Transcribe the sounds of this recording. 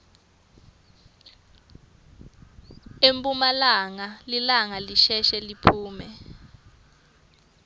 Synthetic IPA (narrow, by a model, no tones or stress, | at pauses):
empʼumalaŋalilaŋaliʃɛʃɛlipʰuːmɛ